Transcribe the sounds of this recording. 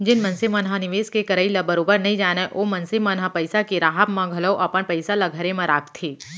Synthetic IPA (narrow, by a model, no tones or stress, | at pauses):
d͡ʒɪnmɐ̃nsɪmənɦanɪʋeːskekɐɾəilɐbəɾoːbəɾnɐɦĩd͡ʒaːnaʔoːmɐnsɪmənɦapɐɪsakeɾaːɦəpmãɡʱɐləwʔɐpəɳpɐɪsalaɡʱəɾemãɾaːkt̪ʰeː